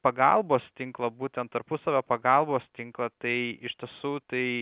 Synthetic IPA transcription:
pɐɡɐlˠboːst̪ʲɪŋklˠɐbuːt̪ʲɛnt̪t̪ɐɾpʊsɐʋʲoːpɐɡɐlˠboːst̪ʲɪŋklˠɐt̪ɐɪɪʃʲt̪ʲiɛsuːt̪ɐɪ

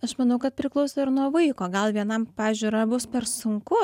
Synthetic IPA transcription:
ɐʃmɐnɐʊkɐt̪pʲɾʲɪklˠɐʊsʲoːɪɾnuɔʋɐɪkoːɡɐlˠʋʲiɛnɐmpɑːʒʲuːɾɐbʊspʲɛɾsʊŋkʊ

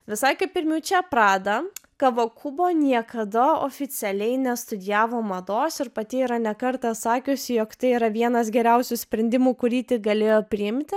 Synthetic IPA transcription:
ʋʲɪsɐɪkɐɪpʲɪɾʲmʲuʊt͡ʃʲɛpɾɑːd̪ɐkɐʋokʰʊboːnʲiɛkɐd̪ɐoːfʲɪt̪sʲɛlʲɛɪnʲɛst̪ʊd̪ʲɪjæːʋoːmɐd̪oːsɪɾpɐt̪ʲɪiːɾɐnʲɛkɐɾt̪ɐsɑːkʲʊsʲɪjoːkt̪ɐɪiːɾɐʋʲiɛnɐs̬ɡʲɛɾʲɛʊsʲusʲpʲɾʲɛnʲd̪ʲɪmuːkʊɾʲiːt̪ʲɪɡɐlʲeːjoːpʲɾʲɪɪmʲt̪ʲɪ

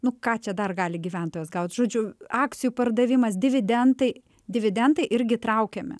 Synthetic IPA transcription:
nʊkɑːt͡ʃʲɛd̪ɐrɡɑːlʲɪɡʲiːʋʲɛnt̪oːjɛːsɡɐʊt̪ʒ̥oːd͡ʒʲʊɑːk̚t̪sʲɪjupɐrd̪ɐʋʲɪmɐsd̪ʲɪʋʲɪd̪ʲɛnt̪ɐɪ | d̪ʲɪʋʲɪd̪ʲɛnt̪ɐɪʔɪɾʲɡʲɪt̪ɾɐʊkʲɛmʲɪ̰

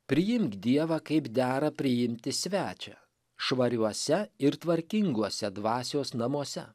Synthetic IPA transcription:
pʲɾʲɪjɪmkd̪ʲiɛʋɐkɐɪpd̪ʲæːɾɐpʲɾʲɪjɪmʲt̪ʲɪsʲʋʲæːt͡ʃʲɛ̰ | ʃʋɐɾʲuɔsʲɛɪɾt̪ʋɐɾʲkʲɪŋɡuɔsʲɛd̪ʋɑːsʲoːsnɐmuɔsʲɛ

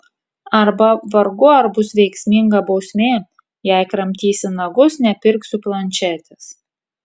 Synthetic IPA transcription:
ɐɾbɐʋɐɾɡʊɐɾbʊsʋʲɛɪksʲmʲɪŋɡɐbɒʊsʲmʲeː | jɛˑɪkɾɐmʲt̪ʲiːsʲɪnɐɡʊsnʲɛpʲɪɾksʲʊplˠɐnʲt͡ʃʲɛt̪ʲɛs

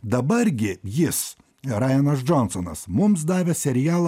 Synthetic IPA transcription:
d̪ɐbɐɾɡʲɪjɪs | ɾɑːjɛnɐs̬d͡ʒonsonɐ̰smʊms̬d̪ɑːʋʲɛsʲɛɾʲɪjæːlˠ

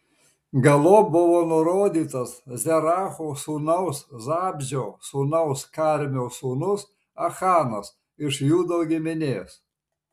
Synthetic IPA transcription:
ɡɐlˠoːbʊʋoːnʊɾoːd̪ʲiːt̪ɐszʲɛɾɑːxoːsuːnɐʊszɑːbʲʒʲoːsunɐʊskaːɾʲmʲoːsuːnʊs | ɐxɑːnɐs | ɪʃjuːd̪oːɡʲɪmʲɪnʲeːs

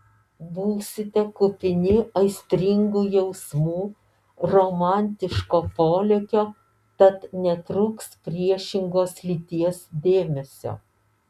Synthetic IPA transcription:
buːsʲɪt̪ʲɛkʊpʲɪnʲɪɐɪsʲt̪ʲɾʲɪŋɡuːjɛʊsmuː | ɾoːmɑnʲt̪ʲɪʃkoːpoːlʲɛkʲoː | t̪ɐt̪nʲɛt̪ɾʊkspʲɾʲiɛʃʲɪŋɡoːslʲiːt̪ʲiɛsd̪ʲeːmʲɛsʲo̰ː

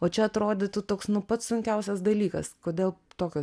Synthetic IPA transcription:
oːt͡ʃʲɛɐt̪ɾoːd̪ʲet̪ʊt̪oːksnʊpɐt̪ssʊŋʲkʲɛʊsʲɛsd̪ɐlʲiːkɐskoːdʲeːlˠt̪oːkʲo

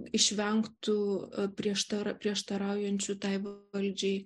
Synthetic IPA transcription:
ɪʃʲʋʲɛŋkt̪ʊpʲɾʲiɛʃt̪ɐɾɐpʲɾʲiɛʃt̪ɐɾɑˑʊjɛnʲt͡ʃʲʊt̪ɐɪʋɐlʲd͡ʒʲɛɪ

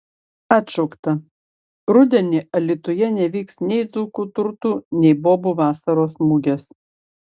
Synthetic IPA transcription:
ɑːt̪ʲʃɔʊkt̪ɐ | ɾʊd̪ʲɛnʲɪʔɐlʲɪt̪ʊjɛnʲɛʋʲiːksnʲɛɪd̪zuːkuːt̪ʊɾt̪uːnʲɛɪboːbuʋɑːsɐɾoːsmuːɡʲes

